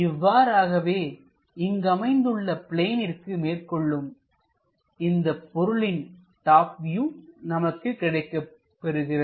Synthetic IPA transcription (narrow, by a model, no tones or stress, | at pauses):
ɪʋːaːɾaːɣɐʋeː | ɪŋɡɐmɐɪnd̪ɯɭːɐpɪɭeːnɪrkɯmeːrkɔɭːɯm | ɪnd̪ɐpːɔɾɯɭɪn | ʈaːp̚ʋjunɐmɐkːɯkːɪɽɐɪkːɐ | pːɛɾɯɣɪrɐ